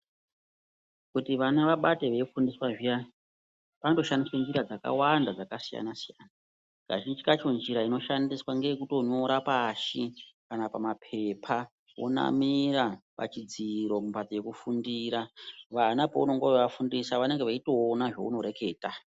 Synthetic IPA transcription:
kutiʋanaʋaɓateʋe̞ifundiswaʐija | panto̞ʃandiswend͡ʒiɾad͡zaka̰wandad͡zakasija̰nasijaːna | ka̰ʒind͡ʒikat͡ʃo̞nd͡ʒiɾaino̞ʃandiswaŋɡejekuto̞ɲo̞ɾapaːʃikanapamapʰe̞pʰa | wo̞̰na̰miɾapa̰t͡ʃid͡ziɾo̞mupatoje̞kufundiɾaʋanapouno̞ŋɡoʋeʋafundisaʋane̞ŋɡeʋaito̞ːnaʐo̞̰uno̞ɾe̞ke̞ːta

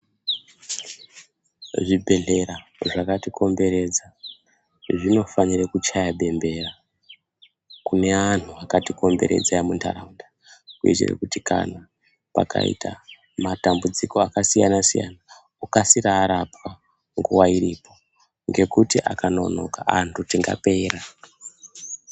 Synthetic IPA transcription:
ʐibʱe̞ɮe̞ɾaʐakatikʰo̞mbe̞ɾe̞d͡za | ʐino̞fanirekut͡ʃajaɓe̞mbe̞ra | kune̞an̤uakatiko̞mbe̞̰ɾe̞̰d͡zajamuntʰa̰ɾaunda | kuḛt͡ʃḛrḛkutika̰na | pa̰ka̰ḭtʰa̰ | matambud͡ziko̞akasijanasija̰na | ukasiraːɾapwa | ŋɡuwaiɾipo̞ | ŋɡe̞kutiʔa̰kano̞no̞̰kaʔantutiŋɡa̰pe̞ra

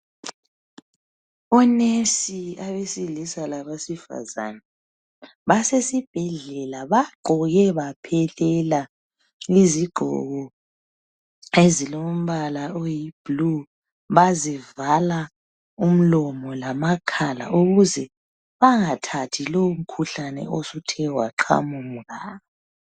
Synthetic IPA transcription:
ɔnesiaβesilisalaβasifa̰za̰na | βasesib̥ʱɛɮɛlaβaɡ͡ǃʱɔɣɛβapʰɛlɛla | iziɡ͡ǃʱɔ̰ɣɔ | ezilom̩βalaojib̥lu | βazivala | um̩lɔmɔlamakʰala̰ʔuɣuzɛ | βaŋatʰatʰiloum̩kʰuɬanɛ̰ʔosutʰɛwa̰ǁʰa̰mum̩ɣaːβa

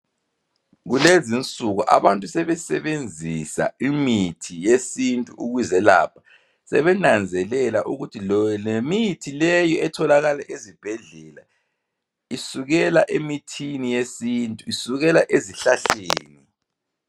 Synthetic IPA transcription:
ɣulezint͡sʼuɣuʔa̰βantʼusɛβɛsɛβend͡zʱisa̰imitʰijesintʼuuɣwizɛla̰ːpʰḁ | sɛ̰βɛnand͡zʱɛlɛlaʔuɣutʰilɔlemitʰilɛjɔɛtʰɔlaɣalaʔezib̥ʱɛɮɛla | isuɣɛlaʔemitʰinijesintʼuisuɣɛlaʔeziɬaɬeːni

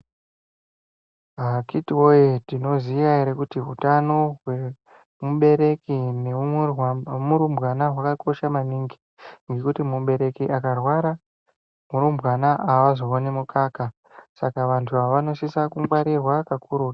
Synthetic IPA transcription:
ɦakitwojetino̞zijaeɾekutiʋutano̞ɦwe | muɓe̞ɾe̞kine | muɾumbɣanaɦwakako̞ʃamaniːŋɡi | ŋɡe̞kutimuɓe̞ɾe̞kiʔakarwaɾa | muɾumbɣanaʔaʋazoonemukaːka | sakaʋantʰuɦaʋano̞sisakumwaɾirwakakʰuːɾu̥ː

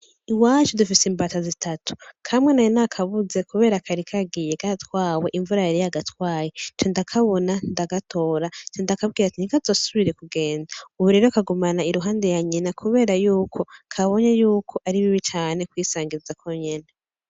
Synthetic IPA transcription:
iwat͡ʃudufisimbatazitʰatʰu̥kʰamŋe̞najonakʰaβuze̞kuβe̞ːɾakʰaɾikʰaɡijekaatwaːwe̞ʔiɱvuɾajaɾijaɡatwaːjet͡ʃondakʰaβo̞nandaɡatʰo̞ːɾat͡ʃondakab̚ɡiːɾatinikazosuβiɾe̞kuɡe̞ːndauβuɾe̞ːɾokaɡumanaiɾuɦaːndejaɲinakʰuβe̞ːɾajuːkʰo̞kʰaβo̞ɲajuːkʰo̞ʔaɾiβiβit͡ʃaːne̞kwiːsaːŋɡizakʰo̞ɲena

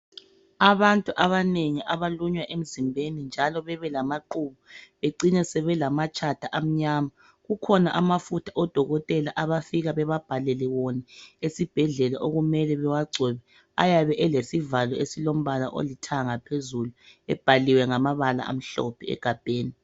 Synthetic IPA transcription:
aβantʼuʔaβaneŋiʔaβaluɲwaʔem̩zimbʱenind͡ʒʱalɔβɛβɛlamaǃuβɔβeǀinɛsɛβɛlamat͡ʃʼatʰaʔam̩ɲaːma | ɣukʰɔnaʔamafutʰaʔɔd̥ʱɔɣɔtʼɛlaʔaβafiɣaβɛβab̥ʱalɛlɛwɔnɛesib̥ʱɛɮɛlaʔoɣumɛlɛβɛwaɡ͡ǀʱɛβɛ | a̰jaβɛʔɛlesivalɔesilom̩βalaʔo̰litʰaŋapʰezuluɛb̥ʱaliwɛŋamaβala̰a̰m̩ɬɔ̰pʰɛɛ̰ɡ̥ʱab̥ʱeːni

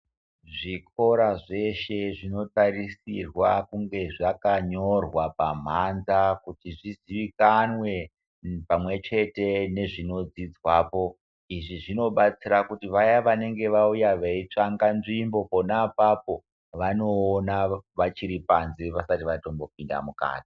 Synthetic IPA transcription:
ʐiko̞ɾaʐe̞ʃe̞ʐino̞taɾisirwakuŋɡe̞ʐakaɲo̞rwapam̤anzakutiʐiziʋikanwe̞ | pamwe̞t͡ʃe̞te̞ne̞ʐino̞d͡zid͡zwaːpo̞ | iʐiʐino̞ɓat͡siɾakutiʋajaʋane̞ŋɡe̞ʋaujaʋeit͡ʂaŋɡanʐimbo̞po̞napap̚o̞ | ʋano̞ːnaʋat͡ʃiɾipanzeʋasatiʋatombo̞p̚inda̰muka̰ːti̥

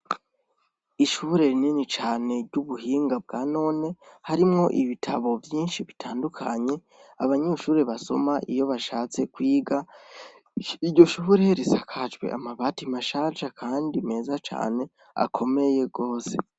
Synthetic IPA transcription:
iʃuɾe̞ninit͡ʃaːne̞ɾɟuβuɦiːŋɡab̚ɡaːno̞ːne̞haɾimŋo̞ʔiβitʰaβo̞vjiːnʃiβitʰaːndukʰa̰ɲe̞ | aβaɲeʃuːɾeβaso̞̰maʔḭjo̞βaʃaːt͡se̞kwiːɡa | iɾɟo̞ʃuβuɾeɾisakʰad͡ʒɡwe̞̰ʔa̰maβatimaʃaːʒakʰaːndime̞ːzat͡ʃa̰ːne̞ | a̰kʰo̞me̞je̞ɡo̞ːse̞

